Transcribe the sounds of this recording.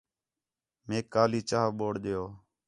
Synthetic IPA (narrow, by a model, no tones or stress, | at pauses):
meːkːaːliːt͡ʃaːɓoːɽɗ̪ɪjoː